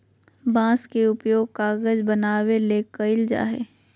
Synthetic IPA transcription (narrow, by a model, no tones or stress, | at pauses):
bãːskeʊpjoːɡ̚kaːɡəd͡ʒbənaːweleːkəɪld͡ʒa̰ːɦɛ̰ː